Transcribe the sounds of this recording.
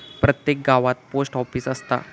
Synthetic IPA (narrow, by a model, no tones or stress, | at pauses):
pɾət̪jek̚ɡaʋat̪̚posʈɔfiːsəst̪a̰